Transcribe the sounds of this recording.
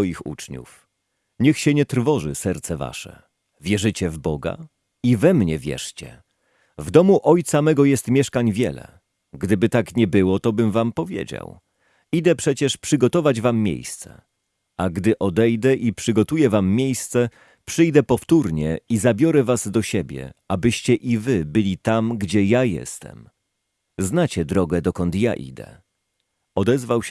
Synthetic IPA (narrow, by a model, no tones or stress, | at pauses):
ɔjixṵt͡ʂɲṵf | ɲɛxɕɛɲɛt̪ɾvɔʐɘ̰sɛɾt̪sɛva̰ʂɛ̰ | vʲjɛʐɘt͡ɕɛvbɔɡa̰ | ivɛmɲɛvʲjɛ̰ʂt͡ɕɛ̰ | vd̪ɔmuʔɔjt̪samɛɡɔjɛst̪mʲjɛʂkaɲvʲjɛlɛ̰ | ɡd̪ɘbɘt̪akɲɛbɘwɔt̪ɔbɘmvampɔvʲjḛd͡ʑa̰w | id̪ɛpʂɛt͡ɕɛʂpʂɘɡɔt̪ɔvad͡ʑvamːʲjḛjst̪sɛ̰ | aɡd̪ɘʔɔd̪ɛjd̪ɛʔipʂɘɡɔt̪ujɛvamːʲjejst̪sɛ | pʂɘjd̪ɛpɔft̪uɾɲɛ̰izabʲjɔɾɛvazd̪ɔɕɛbʲjɛ̰abɘɕt͡ɕɛʔivɘbɘlʲit̪amɡd͡ʑɛjajɛ̰st̪ɛ̰m | znat͡ɕɛd̪ɾɔɡɛd̪ɔkɔnt̪ja̰ʔḭd̪ɛ̰ | ɔd̪ɛzvawɕ